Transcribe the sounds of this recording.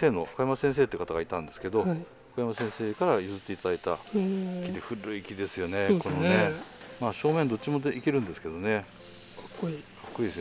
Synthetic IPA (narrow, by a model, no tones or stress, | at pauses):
e̞ːno̞kajamasẽɰ̃s̬eːt̪eiɯ̟kat̪aɡait̪ãnd̪e̞sɨ̥ke̞d̪o̞i | kajamasẽɰ̃se̞ːkaɾajɯzɨt̪ːeit̪ad̪ait̪akʲid̪eɸɯ̟ɾɯikʲid̪e̞sɨjo̞neko̞none | maːɕo̞ːmẽ̞nd̪o̞t̚t͡ɕːimod̪eikʲeɾɯ̟̃nd̪e̞sɨ̥ke̞d̪o̞ne̞ | kkikkːoid̪esɨ